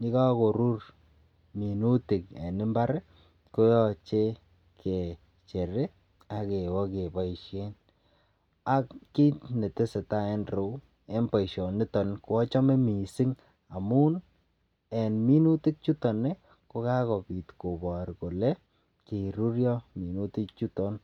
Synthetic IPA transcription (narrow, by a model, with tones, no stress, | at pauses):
ni˦ka˦ko˨ɾu˦r | mi˨nu˦ti˨kḛ˨nɪ˦mba˦ɾ | ko˦jɔ˨t͡ʃe˦ | kʰe˨ | t͡ʃe˨ɾe˦ | a˨ke˨wɔ˦ke˨ba˨iʃe˦n | a˦kːi˦tne˨te˦se˨ta˦ɛ˦nɾo˨˦ | e˦npa˨iʃɔ˨nɪ˦tɔ˨n˦kwɔ˦t͡ʃɔ˦me˦mi˨sɪ˦ŋ | a˨mu˦n | ɛ˨nmi˦nu˦ti˦k̚t͡ʃu˦tɔ˨ne˦ | ko˦ka˦kɔ˨pi˨tko˨bɔ˨ɾko˨lɛ˦ | ke˨ɾu˦ɾjɔ˦mi˨nu˦ti˦k̚t͡ʃu˦tɔ˦n